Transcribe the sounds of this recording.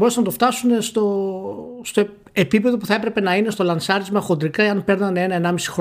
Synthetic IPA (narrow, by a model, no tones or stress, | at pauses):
oɾesenɐt̪o̞ft̪ɐsune̞st̪o̞ | st̪o | epipe̞ðo̞puθɐepɾe̞pe̞nɐine̞st̪o̞lɐnsɐɾizmɐxo̞nd̪ɾikɐeɐnpe̞ɾnɐne̞nɐenɐmisi̥xɾ